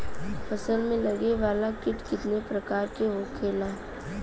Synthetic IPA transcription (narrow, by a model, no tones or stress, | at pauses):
fɐsəlmẽlɐɡeʋaːlakɪʈkɪt̪nepɾɐkaːɾkeɦoːkʰːeːlaː